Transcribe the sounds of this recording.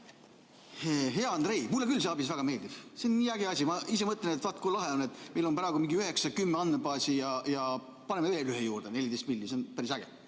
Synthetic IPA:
heɦe̞ɑɑnd̪re̞ijmulːekylːs̬eɑbisvæɡ̥ɑme̞ːld̪̥iv̥seonːiːæɡeɑsʲimɑisemɤt̪ˑlenet̪ːvɑt̪ːˑkolɑɦeonːet̪ːˑme̞jlo̞npɾɑeɡ̥umiŋɡiyɦhe̞ksɑkymːeɑnːebɑːsʲijɑjɑ | pɑne̞mːeveːlyɦejuːrd̪̥ene̞lʲid̪est̪̚milʲːiseonpæɾisæɡ̥ḛ

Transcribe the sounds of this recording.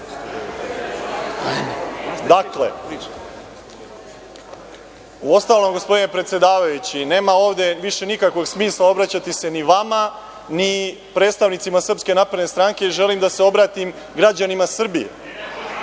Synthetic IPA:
d̪akle̞̰ | uo̞st̪aːʋlo̞mɡo̞spo̞d̪inepɾe̞t̪sje̞d̪aːʋajut͡ɕine̞ːmao̞ːʋd̪e̞ʋiʃe̞nikakʋo̞ɡsmiːslˠao̞bɾat͡ɕat̪ise̞niʋama | ni | pɾeːt̪st̪aʋnit̪simasr̩pske̞naːpɾe̞d̪nest̪ɾaŋke̞iʒe̞limd̪ase̞o̞bɾaːt̪im | ɡɾad͡ʑanimasr̩bijḛ

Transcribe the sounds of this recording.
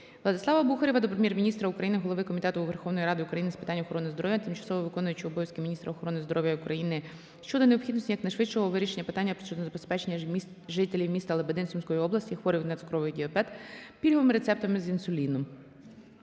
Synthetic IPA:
ʋlˠɐd̪ɪsˠɑʋɐbuxɐɾʲiʋɐd̪ɔpɾemʲjɛrmʲinʲist̪ɾɐukɾɐjinɪɦɔlˠɔʋɪkɔmʲit̪ɛt̪ʊːʋerxɔwnɔjiɾɑd̪ɪʊkɾɐjinɪspɪ̥t̪ɑnʲːɐɔxɔɾɔnɪzd̪ɔɾɔʋʲjɐt̪ɪmt͡ʃɐ̥sɔʋɔʋɪkɔnʊjɐt͡ʃɪɔbɔjɐsʲkɪmʲinʲist̪ɾɐɔxɔɾɔnɪzd̪ɔɾʔɔʋʲjɐʊkɾʔɐjinɪ | ʃt͡ʃɔd̪ɔneɔpxʲid̪nsʲtʲijɐknɐjʃʋɪt͡ʃt͡ʃɔɦɔʋɪɾʲiʃenʲːɐpɪt̪anʲːɐpɾɔ̥t͡ʃɔd̪ɔzɐbespɛt͡ʃenʲːɐ | ʒɪt̪elʲiwmʲist̪ɐlˠebed̪ɪnsʲumʲsʲkɔjiɔblˠɐsʲtʲixʋɔɾʲiwnɐt̪ɪkɾɔʋɪɣdʲɪɔpɛd̪pʲilʲɦɔʋɪmɪɾet̪sɛp̚t̪ɐmɪzinsʊlʲinɔm

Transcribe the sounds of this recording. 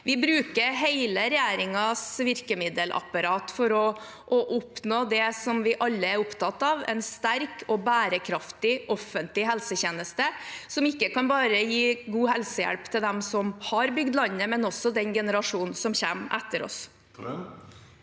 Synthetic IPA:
ʋɪbɾʉːkəɾɦeɪləɾɛjæːɾɪŋɑsʋɪɾkəmɪd̪əlʔɑ̰pɑɾɑːt̪fɔɾɔ | ʔɔʔʊpnoːd̪ɛsɔmʋɪʔɑlːəæɾʊpt̪ʰɑt̪ːɑːʋɛ̰ɪnst̪æɾkʰɔbæːɾəkʰɾɑft̪ɪʔɔfːənt̪lɪɦɛlsəçeːnəst̪əsɔmɪkːəkɑnbɑːɾəjiːɡuːhɛlsəjæ̰lpt̪ʰɪld̪ɛmsɔmhɑɾbʏɡd̪lɑnːəmɛnɔsɔd̪ɛnɡɛnəɾɑʂuːnn̩sɔmçæːmʔɛ̰t̪ːəɾɔ̰s

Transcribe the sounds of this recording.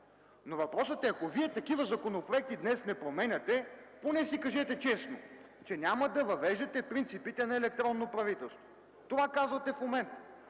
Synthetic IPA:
novɐpɾɔsət̪ɛɐkoviɛt̪ɐkivəzɐkonopɾoɛk̚t̪id̪nɛsnɛpɾomɛnʲɐt̪ɛponɛsikɐʒɛt̪ɛt͡ʃɛsno | t͡ʃɛnʲamɐd̪ɐvɐvɛʒɛt̪ɛpɾint̪sipit̪ɛnɐɛlɛk̚t̪ɾɔnːopɾɐvit̪ɛlˠst̪vo̥ | t̪ovakazvɐt̪ɛfmomɛnt̪

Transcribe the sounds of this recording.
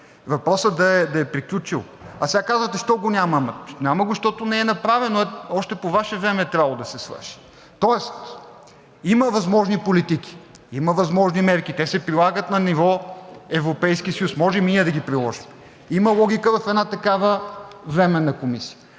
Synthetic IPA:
vɐpɾɔsəd̪ɐɛd̪ɐɛpɾiklʲut͡ʃilˠ | ɐsɛɡakazvət̪ɛʃt̪ɔɡonʲamɐmnʲaməɡʃt̪ɔt̪onɛɛnɐpɾavɛnoɛɔʃt̪ɛpovaʃɛvɾɛmɛɛt̪ɾʲabɐlˠod̪ɐsɛsvə̰ɾʃi̥ | t̪ɔɛst̪ | iməvɐzmɔʒnipolit̪iki̥ | imɐvɐzmɔʒnimɛɾkit̪ɛsɛpɾilˠaɡət̪nɐnivɔɛvɾopɛjsk̟ʲisɐjusmɔʒɛmiəd̪ɐɡʲipɾilˠɔʒim | imɐlˠɔɡ̟ʲikəvɐfɛd̪nat̪ɐkavəvɾɛmɛnɐkomisiə

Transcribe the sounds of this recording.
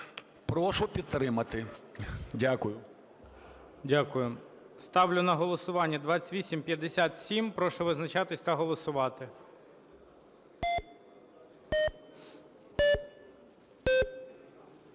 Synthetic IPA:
pɾɔʃʊpʲid̪̚t̪ːɾɪmɐt̪ɪ | dʲakʊjʊ | dʲakʊjʊ | st̪ɑʋlʲʊnɐɦɔlˠɔsʊʋɑnʲːɐd̪ʋɑt͡sʲt̪ʲʋʲisʲimpʲjɐd̪ːesʲat̪sʲimpɾɔʃʊʋɪznɐt͡ʃɑt̪ɪsʲt̪ɐɦɔlˠɔsʊʋɑt̪ɪ

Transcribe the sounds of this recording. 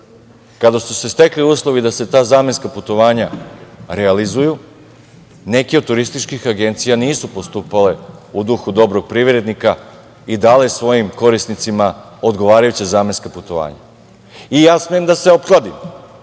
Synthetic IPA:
kad̪asuse̞st̪e̞kliuːslˠo̞ʋid̪ase̞t̪aːzaːmeskaput̪o̞ʋaːɲaɾealizuju | ne̞keot̪̚t̪ːuɾist̪it͡ʃkixaɡe̞nt̪sijaniːsupost̪uːpale̞ud̪uxud̪o̞bɾo̞ɡ̥̚pɾiʋɾe̞d̪nika | id̪aːlesʋo̞jimko̞ɾisnit̪sima | o̞d̪ɡo̞ʋaːɾajut͡ɕazaːmenskaput̪o̞ʋa̰ːɲa̰ | ijaːsmeemd̪aseo̞pklˠad̪im

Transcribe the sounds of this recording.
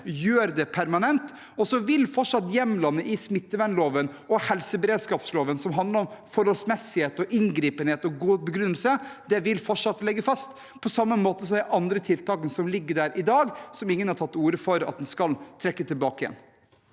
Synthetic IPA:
jøːɾd̪ɛpʰæɾmɑnɛnt̪ | ɔsɔʋɪlfɔʈʂɑt̪ːjɛmlɑnːəʔɪsmɪt̪ːəʋænloːʋən | ɔhɛlsəbɛɾeːd̪skɑːpsloːʋənsɔmɦɑnd̪ləɾɔmfɔɾhɔlsmɛsːɪheːt̪ɔʔɪŋɡɾiːpənheːt̪ɔɡuːbəɡɾʏnːəlsəd̪ɛʋɪlfɔʈʂɑt̪ːlɛɡːəfɑst̪ | pʰɔsɑmːəmoːt̪əs̬ɔmd̪ɛʔɑnd̪ɾət̪ʰɪlt̪ʰɑːkənsɔmlɪɡːəɖæːɾʔɪd̪ɑːɡsɔmɪŋːənhɑʈʰɑt̪ːuːɾəfɔɾɑ̰t̪̚d̪ɛnskɑlt̪ʰɾɛkːət̪ʰɪlbɑːkəɪjɛ̰n

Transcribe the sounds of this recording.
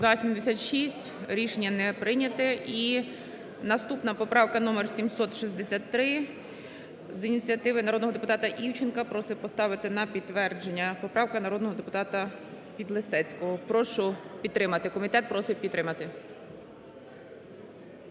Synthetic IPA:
zɐsʲimd̪esʲat̪ʃisʲtʲɾʲiʃenʲːɐnɛpɾɪnʲɐt̪ɪʔi | nɐst̪upnɐpɔpɾɑwkɐnɔmersʲimsɔt̪ʃizʲd̪esʲat̪ːɾɪ | zinʲit͡sʲijɐt̪ɪʋɪnɐɾɔd̪nɔɦɔd̪epʊt̪ɑt̪ɐʔiwt͡ʃɪnkɐpɾɔsɪwpɔst̪ɑʋɪt̪ɪnɐpʲid̪ʋɛrd͡ʒe̞nʲːɐpɔpɾɑwkɐnɐɾɔd̪nɔɦɔd̪epʊt̪ɑt̪ɐ | pʲid̪lˠesɛt͡sʲkɔɦɔpɾɔʃʊpʲid̪t̪t̪ːɾɪmɐt̪ɪkɔmʲit̪ɛt̪̚pɾɔsɪwpʲit̪t̪ːɾɪmɐt̪ɪ

